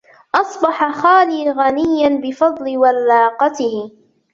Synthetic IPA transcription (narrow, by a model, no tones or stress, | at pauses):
ʔɑsˤbɑħaxaːliːɣanɪjːanbɪfɑd̪ˤlɪwalːɑːqɑt̪ɪhɪ